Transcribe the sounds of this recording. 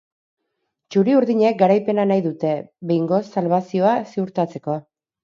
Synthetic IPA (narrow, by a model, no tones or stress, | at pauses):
t͡ʃuɾiuɾðiɲe̞k̚ɡaɾajpe̞nanajðut̪e̞βe̞jŋɡo̞salβasio̞asiuɾt̪at͡se̞ko̞